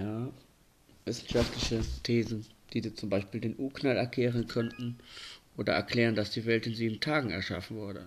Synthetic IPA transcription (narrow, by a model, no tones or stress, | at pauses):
jaː | vɪsn̩ʃaftlɪçətʰeːzn̩d̥iːdiːɐt͡sʊmbaɪʃpiːldeːnʔuːknalɛɐkʰlɛːʁ̞ənkʰœntn̩ʔoːdɐ̰ʔɛ̰ɐkl̥ɛːʁ̞əndasd̥iːvɛltɪnziːbm̩tʰaːɡŋ̩ɛ̰ɐʃa̰fn̩vʊɐdə